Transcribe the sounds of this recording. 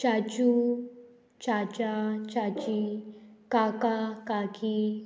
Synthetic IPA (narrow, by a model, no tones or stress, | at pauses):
t͡ʃat͡ʃu | t͡ʃat͡ɕat͡ʃat͡ɕikakakaki